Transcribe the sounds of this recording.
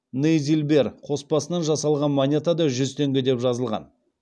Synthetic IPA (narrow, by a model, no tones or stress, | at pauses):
nejzʲilʲbe̞rqʰo̞spɑsənɑnʒɑsɑlˠʁɑnmonʲe̞t̪ad̪ɑʒʏzt̪ʰe̞ŋɡʲɪd̪e̞pʒɑzəlˠʁɑ̰n